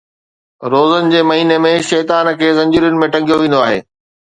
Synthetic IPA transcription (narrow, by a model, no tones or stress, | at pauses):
ɾoːzənɪ̆d͡ʑeːmɐɦiːnemẽʃɛːt̪aːnkʰeːzɐ̃ɲd͡ʑiːɾʊnɪ̆mẽʈɐ̃ŋɡʱijoʋẽːn̆d̪oaːɦḛː